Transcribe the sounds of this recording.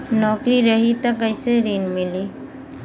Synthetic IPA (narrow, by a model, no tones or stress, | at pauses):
nɔːkɾiɾəɦit̪ɐkəɪseɾiːnmɪliː